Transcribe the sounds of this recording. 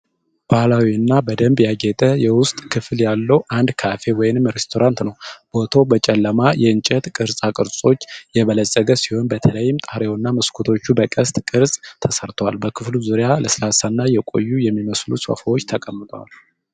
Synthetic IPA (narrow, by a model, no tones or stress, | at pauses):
b̥ahlawiɨnːabəd̪əmbjaɡɛt̪ʼəjɛwʊst̪ʼkʰɨfljalːəwʔand̪kʰafe̞wɔjɪnɨmɾest̪ʰo̞ɾant̪nəwb̥o̞t̪ʰo̞bət͡ʃʼɛlːəmajɛɨnt͡ʃʼɛt̪kʼɨɾsʼakʼɨɾsʼo̞t͡ʃːjɛβələsʼːəɡəsihonbət̪ʰələjːɪmt̪ʼahɾewnːaməskʰut̪ʰo̞t͡ʃːubəkʼəst̪ʼkʼɨɾsʼt̪ʰəsəɾt̪ʰwalbəkʰɨfluzuɾjaləslasanːajɛkʼo̞̰jːujɛmːiməslusʼo̰fawo̞t͡ʃːt̪ʰəkʼəmːɨt̪ʼwa̰l